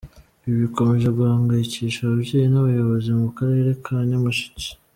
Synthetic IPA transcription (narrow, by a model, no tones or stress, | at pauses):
βiβiko̞me̞ʒeɡuaːŋɡajiciːʃaβubɟeːjinaβajo̞βo̞zimukaɾe̞ɾe̞kʰaɲamaʃi̥ci̥